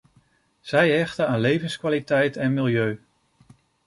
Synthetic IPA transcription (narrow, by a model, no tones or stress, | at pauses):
z̥ɛjɦɛχtəaːnlejvənskʋaːlitɛjtɛnmɪlˠjøɥ